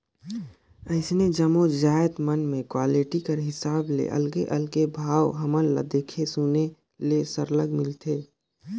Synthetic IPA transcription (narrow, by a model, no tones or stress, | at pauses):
əɪsned͡ʒəmod͡ʒaːjət̪mənmẽkwaːliʈikəɾɦɪsaːblḛʔə̰lɡeʔəlɡebʱaːwɦəməlla̰d̪eːkʰesune | lesəɾləɡmɪlt̪ʰeː